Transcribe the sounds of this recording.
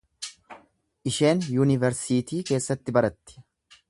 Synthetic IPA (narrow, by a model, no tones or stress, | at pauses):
ʔɪʃe̞ːnjuːnɪvɛɾsiːt̪iːke̞ːsːɐt̪ːɪbɐɾɐt̪ːɪ̥